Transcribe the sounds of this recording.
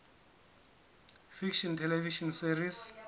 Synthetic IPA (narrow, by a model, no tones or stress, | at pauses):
fikʃɔntʰɛlɛviʃɔnsiris